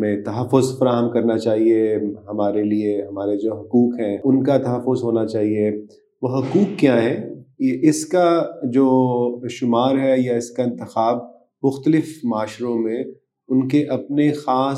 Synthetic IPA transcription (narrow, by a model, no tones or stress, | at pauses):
mẽt̪ɐɦɐfːʊzfɐɾaːɦəmkɐɾnat͡ʃaːɦieɦɐmaːɾelieɦɐmaːɾed͡ʒoːɦɐkuːkɦɛ̃ːʊnkat̪ɐɦəfːʊzɦoːnat͡ʃaːɦie | ʋoɦɐkuːkːjaːɦɛeʔɪskad͡ʒoːʃʊmaːɾɦɛjaɪskaɪ̃nt̪ɪxaːb̚ | mʊxt̪əlɪfmaːʃɾõmẽ | ʊnkeʔɐpnexaːs